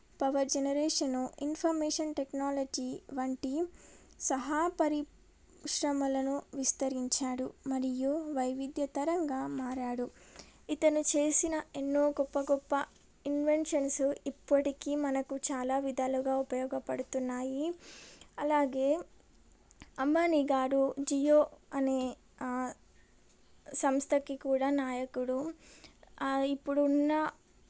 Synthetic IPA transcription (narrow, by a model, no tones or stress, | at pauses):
pɐʋɐɾd͡ʒenɐɾeːʂɐnuʔinpʰɐɾmeːʂɐnʈeknaːlɐd͡ʒiːʋɐɳʈisɐɦapɐɾi | ʃɾɐmɐlɐnuʋist̪ɐɾiɲt͡ʃaːɽumɐɾijuʋɐjʋid̪jɐt̪ɐɾɐŋɡaːmaːɾaːɽuit̪ɐnut͡ʃe̞ːsinɐenːoːɡɔpːɐɡɔpːɐ | inʋe̞ɳʈʃɐnsuipːɐʈikimɐnɐkut͡ʃaːlaːʋid̪aːluɡaːupɐjɔːɡɐpɐɽut̪unːaːji | ɐlaːɡe̞ː | ɐmːaːniɡaːɾud͡ʒijoːɐne̞ː | sɐmst̪ʰɐkikuːɽaːnaːjɐkuɽu | ipːuɽunːɐ